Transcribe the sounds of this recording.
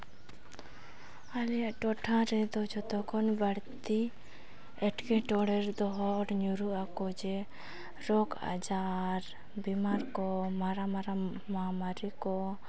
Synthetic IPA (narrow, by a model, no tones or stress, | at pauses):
alijaʔʈɔʈʰãɾɛd̪ɔd͡ʒɔt̪ɔkʰɔnbaɽt̪i | ɛʈkɛʈɔɽɛɾd̪ɔɦɔɽɲuɾuʔakɔd͡ʒɛ | ɾɔka̰d͡ʒaɾ | bimaɾkɔmaɾamaɾa | mamaɾikɔ